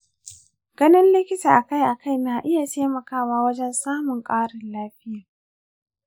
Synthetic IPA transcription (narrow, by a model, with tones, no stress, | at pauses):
ɡ̥ɐ˦nɪ˦nlɪ˦kʲɪ˦taː˨ʔa˨ka˦˨jʔa˨ka˦˨jn˦aː˨ʔɪ˦ja˨tʰeː˦mɐ˨kaː˦˨waː˦wɐ˦d͡ʒɛ˦nsaː˦mʊ˨ŋkʼaː˦ɽɪ˨nlaː˦ɸɪ˦jaː˨